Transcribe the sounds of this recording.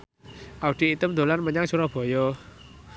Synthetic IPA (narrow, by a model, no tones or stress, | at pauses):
ʔaud̪̥i̤it̪əmd̪o̤lanməɲaŋsuɾɔb̥ɔ̤jɔ